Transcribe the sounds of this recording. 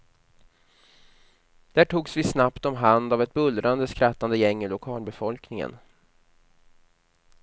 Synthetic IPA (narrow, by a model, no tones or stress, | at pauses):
d̪̥æːʈʰuːɡsvɪsnapt̪ɔmɦand̪avɛt̪̚bɵldɾʔand̪əskɾat̪ːand̪əjɛŋːɪlʊkʰɑːlbɛfɔlknɪŋə̰n